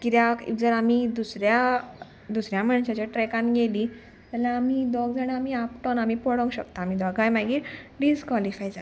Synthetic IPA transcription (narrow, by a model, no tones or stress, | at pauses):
kit̪jaḭd͡zəɾamid̪usɾja | d̪usɾjaməɳɕat͡ɕaʈɾekãnɡeli | t̪alaːmid̪ɔɡd͡zaɽ̃iamiapʈɔnamipɔɽɔ̃ŋɡɕəkt̪aːmid̪ɔɡajmaɡiːʈɖid͡zkʋalifajd͡za